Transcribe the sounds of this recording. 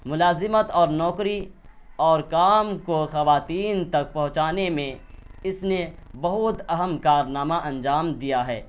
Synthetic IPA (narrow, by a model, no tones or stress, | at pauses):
mʊlaːzɪmət̪ɔːɾnɔːkɾi | ɔːɾkaːmkoxɐʋaːt̪iːnt̪ɐk̚pɐɦʊ̃t͡ʃaːnemẽɪsnebɐɦʊt̪ɐɦəmkaːɾnaːmaʔɐ̃nd͡ʒaːmd̪ijaɦɛː